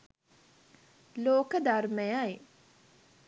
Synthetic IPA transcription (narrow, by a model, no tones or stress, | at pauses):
loːkəd̪arməjaji